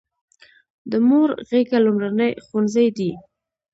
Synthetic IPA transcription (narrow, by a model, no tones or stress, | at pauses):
d̪əmoɾɣeɡalumɾanəjxunzəjd̪i